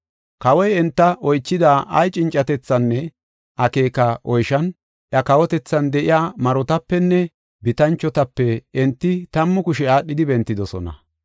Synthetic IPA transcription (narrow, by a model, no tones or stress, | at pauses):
kɐwɔjɛnt̪ːɐʔɔjt͡ʃːɪd̪aːʔɐjt͡ʃʼɪnt͡ʃʼːɐt̪ɛt͡sːɐnːɛ | ʔɐke̞ːkɐʔɔjʃɐn | ʔɐkɐwɔt̪ɛt͡sːɐnd̪ɛʔɪjaːmɐɾɔt̪ɐpːɛnːɛ | bɪt̪ɐnt͡ʃːɔt̪ɐpːɛɛnt̪ːɪt̪ɐmːʊkʊʃɛaːɗːɪd̪ɪbɛnt̪ːɪd̪ɔsɔ̰nɐ̰